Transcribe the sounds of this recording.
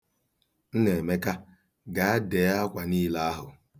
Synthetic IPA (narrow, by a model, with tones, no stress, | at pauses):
n̩˦ne˨me˦ka˦ | ɡa˨a˦de˨˦a˦kʷa˨niː˦la˦a˦ɦʊ̰˨